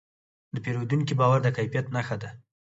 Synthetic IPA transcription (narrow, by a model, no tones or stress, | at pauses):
d̪əpeɾod̪unkibɑwaɾd̪əkajfijat̪naxad̪a